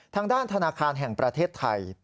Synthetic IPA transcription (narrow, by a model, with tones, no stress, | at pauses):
t̪ʰaː˧ŋdaː˥˩nt̪ʰa˧naː˧kʰaː˧nɦɛ˨˩ŋpɾa˧t̪ʰeː˥˩t̪ʰːa̰˧j